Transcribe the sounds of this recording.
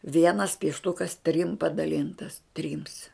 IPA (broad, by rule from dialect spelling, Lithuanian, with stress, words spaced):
ˈʋʲiɛnɐs pʲiɛʃˈtʊkɐs tʲrʲɪm pɐdɐˈlʲɪntɐs ˈtʲrʲɪms